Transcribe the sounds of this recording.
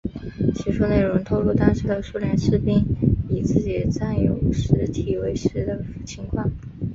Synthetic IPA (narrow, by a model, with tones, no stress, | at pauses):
t͡ɕi˧˥ʂʰu˥ne˥˩ɪɻʊ˧˥ŋt̪ʰo˥ʊlu˥˩t̪ɑ˥ŋʂɻ̩˧˥d̪ə˨ʂu˥˧ljɛ˧˥nʂɻ̩˥˧pi˥˩ŋi˨˩t͡sɹ̩˥˩t͡ɕi˨˩t͡sa˥˩njo˧˥ʊ˥ʂɻ̩˧˥t̪ʰi˨˩we˧˥ɪʂɻ̩˧˥d̪ə˨˩fu˨˩t͡ɕʰi˧˥ŋkʰwɑ˥˩ŋ